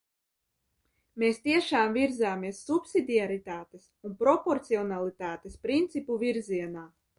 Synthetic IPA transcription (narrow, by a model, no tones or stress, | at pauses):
meːst̪iɛʃaːmviɾzaːmiɛsːupsid̪ʲiaɾit̪aːt̪esunpɾɔpɔɾt̪siɔnalˠit̪aːt̪espɾint̪sipuviɾziɛnaː